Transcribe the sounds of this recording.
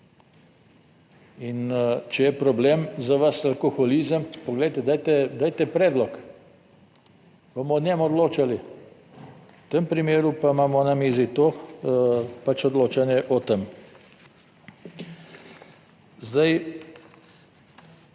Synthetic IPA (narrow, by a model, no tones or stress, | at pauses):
int͡ʃɛjɛpɾɔblemzaʋasalkoxɔliːzəmpɔɡlɛjt̪ɛd̪aːjt̪ɛd̪aːjt̪ɛpɾɛːd̪lɔk | bomɔnʲɛmɔd̪loːt͡ʃali | t̪əmpɾimeːɾupamaːmɔnamiːzit̪oː | pat͡ʃɔd̪loːt͡ʃanjɛʔɔt̪əm | zd̪aj